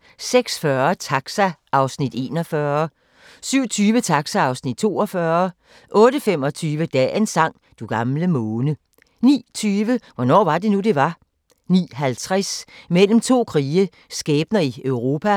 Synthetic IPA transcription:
seɡ̥sfɶɐt͡sʰɑ̈ɡ̥sæʔɑ̈ʊsnid̥e̝ːnɒfɶɐ | syʊ̰t͡sʰyːʋət͡sʰɑ̈ɡ̥sæɑ̈ʊsnid̥̚t͡sʰo̝̰ːɒfɶɐ | ʔɔ̽ːɾəfem̰ɒ̽t͡sʰyːʋəd̥ɛ̰ːensɑ̈ŋ̰ | d̥uɡ̥ɑ̈mləmɔːnə | nḭːt͡sʰyːʋəʋɒnɒ̰ːʋɑ̈d̥e̝nud̥e̝ʋɑ̈ | nḭːɦælt͡sʰʁasmel̰m̩t͡sʰo̝̰ːkʰʁiːə | sɡ̥ɛːb̥̚nɐiøʊʁo̝ːpʰæ

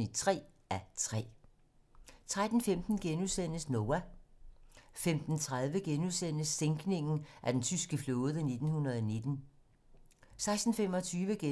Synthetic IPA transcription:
i̥t͡sʰʁɛ̰ː | ʔæt͡sʰʁɛ̰ː | t͡sʰʁad̥n̩femd̥n̩ɡ̥enusen̰əsnoːæ | femd̥n̩t͡sʰʁað̞ˠʋəɡ̥enuðˠsen̰əsːeŋɡ̥ne̝ŋn̩ʔæd̥ent͡sʰysɡ̥əflɔːð̞ˠəne̝d̥n̩hunɐð̞ˠɒne̝d̥n̩ | sɑ̈ɪsd̥n̩femɒ̽t͡sʰyːʋəɡ̥e

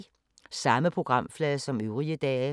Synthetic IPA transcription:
sɑ̈məpʰʁoɡ̥ʁɑ̈m̰flɛːðˠsɒ̽møʊʁiəd̥ɛː

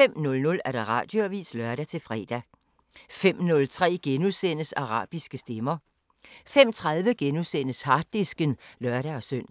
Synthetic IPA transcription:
fem̰nɔ̽lnɔ̽læɐd̥ɑ̈ʁɑ̰̈ːd̥joæʋḭːslɶɐɾ̥æt͡sʰe̝lfʁɛ̰ːd̥æ | fem̰nɔ̽lt͡sʰʁɛ̰ːɡ̥enusen̰əsɑ̈ʁɑ̰̈ːb̥isɡ̥əsd̥emɐ | fem̰t͡sʰʁɑ̈ð̞ˠʋəɡ̥enusen̰əshɑ̈d̥isɡ̥ənlœɐɾ̥æɒ̽søn̰

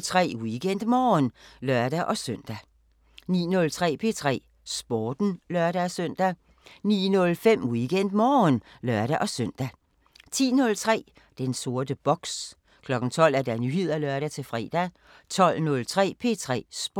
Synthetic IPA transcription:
t͡sʰʁɛ̰ːwiɡ̥en̰d̥mɒːnlɶɐd̥æʔɒ̽søn̰d̥æ | nḭːnɔ̽lt͡sʰʁɛ̰ːpʰe̝t͡sʰʁɛ̰ː | sb̥ɒːd̥n̩lɶɐɾæsøn̰d̥æ | nḭːnɔ̽lfem̰wiɡ̥en̰d̥mɒːnlɶɐ̰ɾ̥æʔɒ̽søn̰d̥æ | t͡sʰḭːnɔ̽lt͡sʰʁɛ̰ː | d̥enso̝ɐd̥əb̥ɒɡ̥s | kʰlɒ̽ɡ̥n̩t͡sʰɒ̽l̰æɐd̥ænyhe̝ð̞̰ˠɐlɶɐɾæt͡sʰe̝lfʁɛːd̥æ | t͡sʰɒ̽lnɔ̽lt͡sʰʁɛ̰ːpʰe̝t͡sʰʁɛ̰ːsb̥

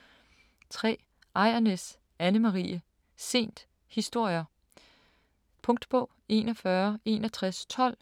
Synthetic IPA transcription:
t͡sʰʁɛ̰ː | ʔɑ̈ɪ̰ɐnes | ænəmɑʁiːə | se̝̰ːnd̥ | hisd̥o̝ɐ̰jɐ | pʰɔ̽ŋd̥b̥ɔʊ̰e̝ːnɒfɶːɐe̝ːnɐt͡sʰʁast͡sʰɒ̽l̰

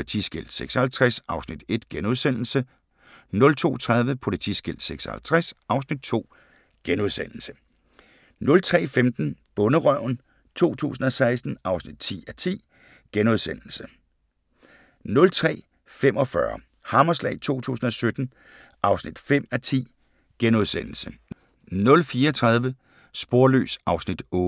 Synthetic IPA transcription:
lit͡sʰḭsɡ̥el̰d̥seɡ̥sɐhælt͡sʰʁasɑ̈ʊsnid̥e̝d̥ɡ̥enuðˠsen̰l̩sə | nɔ̽lt͡sʰo̝̰ːt͡sʰʁað̞ˠʋəpʰo̝lit͡sʰḭsɡ̥el̰d̥seɡ̥sɒhælt͡sʰʁasɑ̈ʊsnid̥̚t͡sʰo̝̰ː | ɡ̥enuðˠsen̰l̩sə̥ | nɔ̽lt͡sʰʁɛ̰ːfemd̥n̩b̥ɔ̽nəʁɶʊ̰n | t͡sʰo̝̰ːt͡sʰṵːs̬n̩ɒ̽sɑ̈ɪsd̥n̩ʔɑ̈ʊsnid̥̚t͡sʰḭːæt͡sʰḭː | ɡ̥enoðˠsen̰l̩sə | nɔ̽lt͡sʰʁɛ̰ː | femʔɒ̽fɶɐ | hɑ̈mɐslɛ̰ɪt͡sʰo̝̰ːt͡sʰṵːsn̩ɒ̽sød̥n̩ | ʔɑ̈ʊsnid̥fem̰æt͡sʰḭː | ɡ̥enoðˠsen̰l̩sə | nɔ̽lfiːɐɒt͡sʰʁɑ̈ð̞ˠʋə | sb̥o̝ɐlø̰ːsʔɑ̈ʊsnid̥ɔː

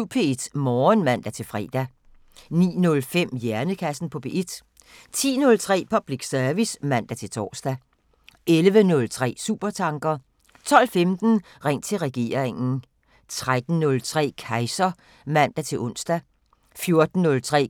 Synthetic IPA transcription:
pʰe̝ed̥mɒːnmæn̰d̥æt͡sʰe̝lfʁɛ̰ːd̥æ | nḭːnɔ̽lfem̰jæɐnəkʰæsn̩pʰɒ̽b̥e̝ʔed̥ | t͡sʰḭːnɔ̽lt͡sʰʁɛ̰ːpʰɒ̽b̥liɡ̥sœɐʋismæn̰d̥æt͡sʰe̝lt͡sʰɒ̰ːsd̥æ | ʔelʋənɔ̽lt͡sʰʁɛ̰ːsṵːb̥ɐt͡sʰɑ̈ŋɡ̥ɐ | t͡sʰɒ̽l̰femd̥n̩ | ʁeŋ̰t͡sʰe̝lʁɛɡ̥e̝̰ːɐ̰ʁeŋn̩ | t͡sʰʁad̥n̩ːɔ̽lt͡sʰʁɛ̰ːkʰɑ̈ɪsɐ | mæn̰d̥æt͡sʰe̝lʔɔ̽n̰sd̥æ | fjo̝ɐd̥n̩ːɔ̽lt͡sʰʁɛ̰ː

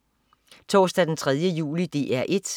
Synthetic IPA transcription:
t͡sʰɒ̰ːsd̥æd̥ent͡sʰʁɛð̞ˠjəjṵːlid̥e̝̰ʔæɐʔe̝d̥

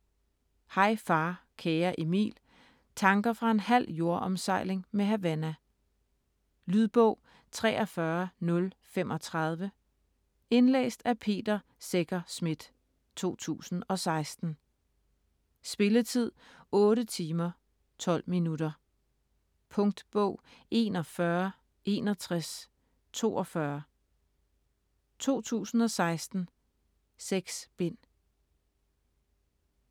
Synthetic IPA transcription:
hɑ̈ɪ̰fɑ̈ːkʰeːɐʔemḭːl | t͡sʰɑ̈ŋɡ̥ɐfʁɑ̈e̝nhæl̰jo̝ɐʔɒmsɑ̈ɪ̰le̝ŋmeɦæʋænæ | lyðˠb̥ɔʊ̰ | t͡sʰʁɛ̰ːʔɒ̽fɶɐnɔ̽lfemʔɒ̽t͡sʰʁɑð̞ˠʋə | e̝nlḛːsd̥æpʰe̝̰ːd̥ɐ | seɡ̥ɐsmid̥ | t͡sʰo̝̰ːt͡sʰṵːsn̩ɒ̽sɑ̈ɪsd̥n̩ | sb̥e̝lət͡sʰið̞̰ˠɔ̽ːɾət͡sʰiːmɐ | t͡sʰɒ̽l̰minudɐ | pʰɔ̽ŋd̥b̥ɔʊ̰e̝̰ːnɒ̽fɶɐ | ʔe̝ːnɒ̽t͡sʰʁas | t͡sʰo̝̰ːɒ̽fɶɐ | t͡sʰo̝̰ːt͡sʰṵːsn̩ɒ̽sɑ̈ɪsd̥n̩ | seɡ̥sb̥e̝n̰

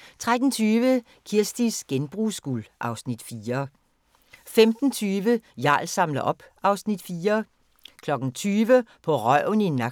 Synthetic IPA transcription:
t͡sʰʁad̥n̩t͡sʰyːʋə | kʰiɐsd̥isɡ̥enb̥ʁuːsɡ̥uːlʔɑ̈ʊsnid̥fiːɐ | femd̥n̩t͡sʰyːʋəjɑ̰̈ːlsɑ̈mlɐʔɒ̽b̥ʔɑ̈ʊsnid̥fiːɐ | kʰlɒ̽ɡ̥n̩t͡sʰyːʋəpʰɒ̽ʁɶ̰ninɑ

